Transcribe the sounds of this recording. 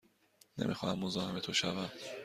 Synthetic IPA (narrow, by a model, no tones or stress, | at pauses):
nḛmʔixɒːhæmːo̞zɒːheme̞t̪ʰoʃævæm